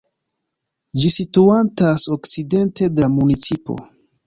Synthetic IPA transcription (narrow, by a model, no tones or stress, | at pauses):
d͡ʒisituantaso̞kt͡side̞nte̞damunit͡sipo̞̰